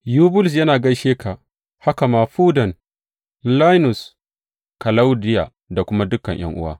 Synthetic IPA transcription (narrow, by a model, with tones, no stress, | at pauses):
juː˦bʊ˦ls̬jɐ˦naː˨ɡɐ˦ʃeː˦kʰaː˨ | ha˦ka˨maː˨ɸuː˦dɐ˨n | la˦jnʊ˨s | kɐ˨la˦wdɪ˦ja̰ː˨ | da˨kʷʊ˦ma˦dʊ˦kːɐ˨ɲj̰ɐ̰˦ŋʔʊ̰˦wa̰ː˦